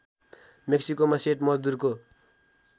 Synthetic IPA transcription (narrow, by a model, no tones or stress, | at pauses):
meksikomaseʈmʌd͡zd̪urko